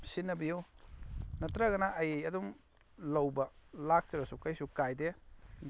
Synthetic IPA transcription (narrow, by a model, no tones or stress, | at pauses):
sinːɐbijuw | nɐtɾɐɡɐnaʔɐjejɐdum | lɐwbɐlak̚t͡ʃebɐsukɐjsukajde